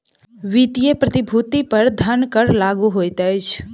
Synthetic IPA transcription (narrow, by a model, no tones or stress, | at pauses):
ʋit̪ijepɾət̪ɪbʱut̪ipəɾd̪ʱənkəɾlaːɡuɦoːjt̪ɛt͡ʃʰ